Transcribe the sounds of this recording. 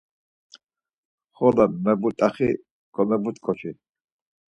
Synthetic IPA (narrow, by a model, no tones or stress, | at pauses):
χɔlamɛbut̪ʼaχi | kʰɔmɛbut̪kʼɔt͡ʃʰi